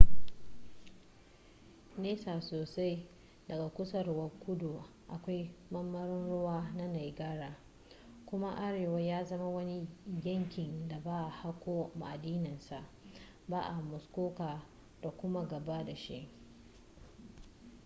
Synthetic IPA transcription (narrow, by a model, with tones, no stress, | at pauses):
neː˦saː˨soː˨sa˦j | dɐ˨ɡa˨kʷʊ˦sɐ˦˨rwɐ˦kʷʊ˦do˨ | ʔa˨kʷa˦jmɐ˦mːɐ˦ɾɪ˦nɽʊ˦waː˦na˦na˨jɡaː˦ɽaː˨ | kʷʊ˦ma˦ʔa˦ɽeː˨wa˦jaː˦zɐ˦ma˦wɐ˦ni˦jɐ˦ŋkʲɪ˨nda˨baː˦ʔa˨ha˦kʷoː˦ma˨ʔa˨diː˦nɪ˨nsa˨ʔ | baː˦ʔa˨mʊ˨skʷoː˦kaː˨ | d̥a˨kʷʊ˦ma˦ɡɐ˨ba˦da˨ʃe˦